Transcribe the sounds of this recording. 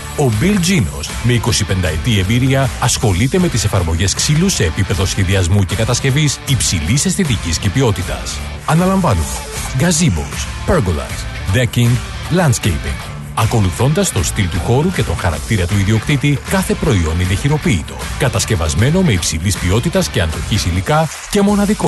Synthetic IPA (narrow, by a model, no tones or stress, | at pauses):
o̞bilzino̞̰sme̞iko̞sipe̞nd̪ɐet̪ie̞mbiɾiɐɐsxo̞lit̪e̞me̞t̪ise̞fɐɾmo̞ʝe̞sksiluse̞ːpipe̞ðo̞sçe̞ðiɐzmuce̞kɐt̪ɐsce̞visipsilise̞sθet̪̬iciscepio̞t̪it̪ɐ̰s | ɐnɐlɐɱvɐnume̞ | ɡɐzibo̰speɾɡolɐ̰s | d̪eciŋɡ | lɐnd̪scejpḭŋɡ | ɐko̞luθo̞nd̪ɐst̪o̞st̪ilt̪uxo̞ɾuce̞t̪o̞ŋxɐ̰ɾɐ̰k̚t̪iɾɐt̪uiðio̞kɾit̪ikɐθe̞pɾo̞io̞nd̪iðɐçiɾo̞piːt̪o̞̰kɐt̪ɐsce̞vɐ̰zme̞no̞me̞ipsilispio̞t̪it̪ɐsce̞ɐnd̪o̞çisilikɐ | ce̞mo̞nɐðiko